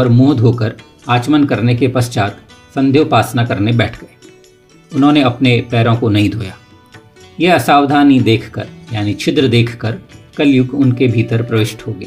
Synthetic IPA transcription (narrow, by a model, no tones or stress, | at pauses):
ɔːɾmoːd̪ʱɦoːkəɾ | aːt͡ʃmənkɐɾnekepɐst͡ʃaːt̪sɐ̃nd̪ʱjopaːsnakɐɾnebɛːʈʰɡɐeː | ʊnɦõːneɐpnepɛːɾõkonɐɦĩd̪ʱoːjaː | jeɐsaːʋd̪ʱaːnĩd̪eːkʰkə̰ɾjaːnit͡ʃʰɪd̪ɾəd̪eːkʰkɐɾkɐljʊɡʊnkebʱiːt̪əɾpɾɐʋɪʃʈɦoːɡeː